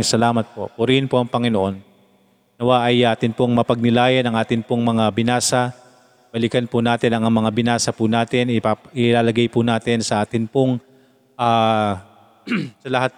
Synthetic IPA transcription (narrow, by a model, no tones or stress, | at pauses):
sɐlaːmɐt̪̚po̞̰pʊɾɪhɪnpoʔɐŋpɐŋɪnoʔo̞n | nɐwaʔɐjʔaːt̪ɪnpoŋmɐpɐɡ̚nɪlaːjɐnɐŋʔaːt̪ɪnpoŋmɐŋabɪnaːsɐ | b̥ɐlɪkɐnpʊnaːt̪ɪnɐŋɐmɐŋabɪnaːsɐpʊnaːt̪ɪnɪpaʔɪlaːlɐɡajpʊnaːt̪ɪnsɐʔaːt̪ɪnpoŋ | ʔaː | sɐlɐhat̪̚